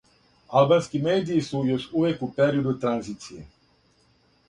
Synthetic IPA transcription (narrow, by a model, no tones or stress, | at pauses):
alˠbanskimeːd̪iːsujo̞ʃuʋekupeɾiod̪ut̪ɾanziːt̪sije